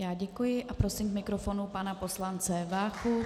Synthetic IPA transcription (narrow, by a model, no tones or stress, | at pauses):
jaːɟɛkujɪʔapɾo̞sɪmkmɪkɾofo̞nupanapo̞slant͡sɛvaːxu